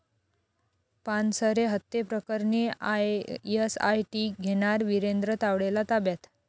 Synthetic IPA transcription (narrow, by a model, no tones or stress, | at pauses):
pansəɾeɦət̪ːepɾəkəɾɳiaesa̰jʈiɡʱeɽ̃aɾʋiɾend̪ɾət̪aʋɽelat̪abjat̪